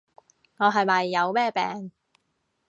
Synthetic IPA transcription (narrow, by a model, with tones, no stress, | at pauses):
ŋɔː˨˧ɦɐ˨jmɐ˨jːɐ˨˧wmɛː˥˩pɛ̰ː˨ŋ